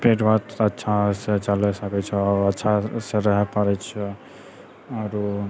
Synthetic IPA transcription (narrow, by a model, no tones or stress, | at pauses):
peʈbʱat̪ətːʃʰaset͡ʃalɛsəkɛt͡ʃʰɛɔətːʃʰaseɾəɦɛpəɾɛt͡ʃʰɛ | ɔɾu